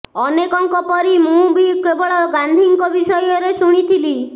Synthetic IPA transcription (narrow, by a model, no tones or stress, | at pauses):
ɔnekɔŋkɔpɔɾimũbikebɔɭɔɡand̪ʱiŋkɔbisɔjɔɾesuɽ̃it̪ʰili